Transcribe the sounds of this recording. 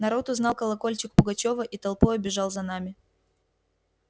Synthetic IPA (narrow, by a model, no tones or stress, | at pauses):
nɐɾo̞t̪ʊznɑlˠkəlˠɐko̞lʲt͡ɕɪkpʊɡɐt͡ɕo̞vəʔit̪ɐlˠpoɐbʲɪʐɑlˠzɐn̪amʲɪ